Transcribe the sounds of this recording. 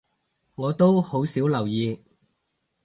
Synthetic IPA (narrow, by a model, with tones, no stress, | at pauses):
ŋɔː˨˧t̪o˥who˨˥wsiː˨˥wlɐ˨˩wjiː˨˧